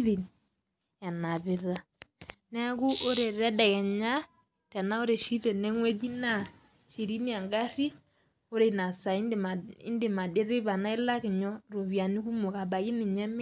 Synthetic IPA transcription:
i˨n | a˨na˨βɪ˨ða˨ | nɛ˦a˦ku˦ʔo˦ɾe˨ɾɛ˦dɛ˨kɛ˨ɲa˦ | tɛ˨na˦o˦ɾe˨ʃi˦ɾɛ˨nɛ˦ŋwɛ˦d͡ʒi˦na˦˨ | ʃi˨ɾi˦ni˦a˨ŋɡa˦ɾi˦ | o˦ɾe˨na˨sa˨i˦˨ḭ˦nde˨ma˨de˦ɾe˦βa˨na˦e˦la˦ke˨ɲɔ˦ɾo˨βja˨ni˦ku˦mo˨ka˨βa˨ɣi˦nɪ˨ɲɛ˦me˦

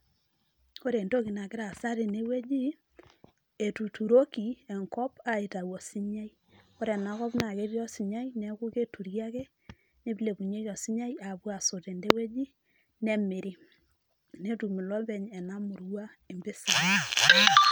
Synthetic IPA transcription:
ko˦ɾe˨ndo˦ki˨na˨kɪ˦ɾa˨sa˦ɾe˨ne˦we˦d͡ʒi˦ | e˨tu˨tu˨ɾo˦ki˨ɛ˨ŋkɔ˦pa˨e˨ta˨wɔ˨si˦ɲa˦i˦ | ko˦ɾɛ˨na˨˦kɔ˦pna˨ke˦ɾjɔ˦si˨ɲa˦jnɛ˨ku˦ke˦tu˨ɾja˦kɛ˦ | ne˦bi˦le˨bu˨ɲe˦ɔ˨si˦ɲa˦ja˨bwa˨so˨te˨nde˦we˦d͡ʒi˦ | nɛ˨me˨ɾi˦ | ne˦tu˨mi˨lɔ˦bɛ˨ɲɛ˨na˦mu˨ɾwa˦ | e˨mbe˦sa˨ni˦˨

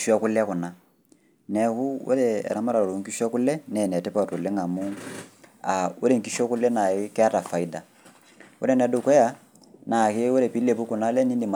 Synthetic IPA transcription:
ʃu˦a˦kʊ˦lkʊ˨na˦ | nɛ˨ku˦o̰˦ɾɛ˨ɛ̰˨ɾa˦ma˦ɾa˨o˨ɾo˨ŋki˦ʃu˦a˦kʊ˦lɛ˦nɛ˨nɛ˨tɛ˦pa˦˨to˨le˦ŋa˨mu˦ | a˨o˦ɾe˦˨ŋ̩ki˦ʃa˦kʊ˦lɛ˦na˨ɪ˦kɛ˦a˦ta˨fa˨i˦da˨ | o̰˦ɾɛ˦˨n˨ɛ˨dʊ˨kɛ˦ja˦ | na˨ke˦wo˦ɾɛ˨pi˦le˨pu˦ku˨na˦lɛ˦ni˦di˨ma

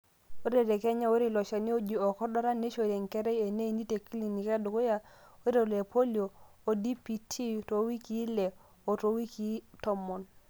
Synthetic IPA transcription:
o˦ɾe˨ɾe˨kɛ˦ɲa˦wo˦ɾi˦˨lɔ˨ʃa˨ni˦o˦d͡ʒi˨o˨kɔ˦dɔ˦ɾa˦ne˦ʃo˦˨ɾe˨ŋ˨kɛ˦ɾɛ˦e˨ne˦i˨ni˦te˨ki˦li˨ni˨ka˦du˨ko˦ja˨e˦ɾe˨le˨po˦li˨o˨o˨di˦pi˨tʰi˦to˨˦wi˦ki˦le˨ | o˨to˦wi˦ki˦tɔ˦mɔ˨n

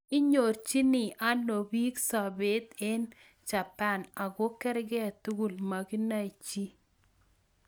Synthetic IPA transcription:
ɪ˦ɲo˨rt͡ʃi˦nɪ˨ʔa˦nːo˨bi˦ksa˨be˨˦t̪e˦n | t͡ʃa˨pa˦˨na˨ɡo˦kɛ˦ɾɡɛ˦˨tu˦ɡu˦˨lma˨ki˦na˦i˨t͡ʃi˦

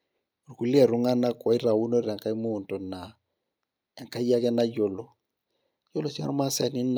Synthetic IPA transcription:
u˨ɾku˨li˦a˨ɾʊ˦ŋa˦na˦kɔ˨i˦ɾa˨wu˦no˦ɾa˨ŋka˦i˦mu˦˨nto˨na˨ | ɛ˨ŋka˦a˦kɛ˦na˦jo˨lo˨ | jo˦lo˨si˦a̰˦ɾma˦sa˨ni˦n

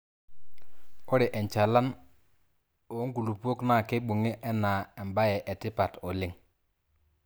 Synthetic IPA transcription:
o˦ɾɪ˨ʔɛ˨ɲt͡ʃa˨la˦n | o˨˦ŋɡu˨lu˨pu˦o˦kna˦˨ke˦ɓu˨ŋe˦ʔɛ˦na˨ɛ˨mba˦jɛ˨ʔɛ˨tɪ˦pa˨tɔ˨lɪ˦ŋ

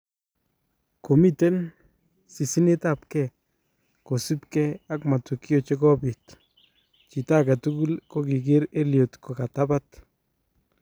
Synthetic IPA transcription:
ko˨mi˦te˦n | si˨si˦ne˦ta˦˨p̚kɛ˦˨ | ko˨si˦pkɛ˦a˦kma˨tu˨kjo˨t͡ʃe˦kɔ˦pi˨t | t͡ʃi˨ta˦ka˨tu˦ku˦lko˦ki˨ɡ̬ɪ˦ɾe˦lio˨tko˨ka˨ta˦ba˦t

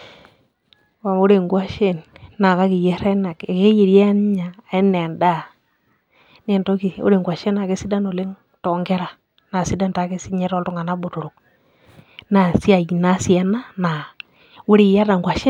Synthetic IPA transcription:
wa˨mo˦ɾe˨ŋɡwa˦ʃe˦˨nːa˨ka˦ki˨je˦ɾɛ˦na˨ke˨ke˦je˨ɾja˦n˦ɲa˨e˦ne˨nda˦˨ | ne˦˨nto˦ki˨o̰˦ɾe˨ŋɡwa˨ʃe˦na˨ke˦si˦da˦no˨le˦ŋ | tɔ˨ŋɡe˦ɾa˨ | na˨si˦da˦nta˨˦ke˦si˦ɲe˦ɾɔ˦lto˦ŋa˨na˦bo˨to˨ɾo˨k̚ | na˨si˦a˨jna˦si˨˦a˦na˦na˨ | wu˦ɾi˦˨ja˦da˨ŋɡwa˨ʃe˦

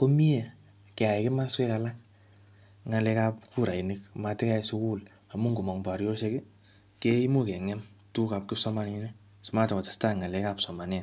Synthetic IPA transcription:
ko˦mi˦e˨ | kɛ˨a˨ɛ˨ke˦ma˦swe˦kala˦k̚ | ŋa˨lɛka˦pkʰu˦ɾa˨i˨nɪk̚matɪ˦ka˦isʊ˦ku˦l | a˨mu˦ŋɡu˨mɔ˨ŋba˨ɾjo˦se˦kɪ˦ | kei˦mu˦ke˨ŋɛ˦m | tu˦ka˨p̚kɪ˦psɔ˦ma˦nine˦ | sɔ˨ma˦tɔ˨kɔ˨tḁ˨sta˦ŋa˨lɛ˦kapsɔ˨ma˨n˦a˨

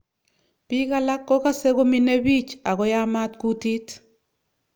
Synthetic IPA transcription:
pi˦ka˦la˦kːɔ˦ka˦se˦ɣo˦mi˦ne˦bi˦t͡ʃa˨ɣɔ˦ja˦ma˦tku˦ti˦t

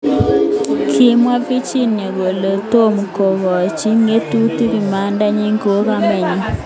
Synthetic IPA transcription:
kʰɪ˦mwa˦pi˦t͡ʃi˦ne˨ɣo˨le˨to˦m˨ko˨ɣɔ˨t͡ʃi˦ŋe˦tu˦ti˦βi˨ma˨˦nda˦ɲi˦ŋko˦ka˦mɛ˨ɲe˦

